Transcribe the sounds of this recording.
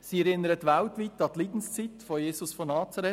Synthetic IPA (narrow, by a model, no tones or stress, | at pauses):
siːɛɾɪnəɾətʋaltʋit̪ɑt̪liːd̥n̩st͡sitfojeːsʊsfɔnɑːt͡sɑɾɛ